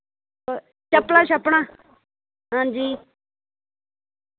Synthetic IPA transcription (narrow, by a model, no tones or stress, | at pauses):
t͡ʃəpɳãːʃəpɳãː | ɦãːd͡ʒiː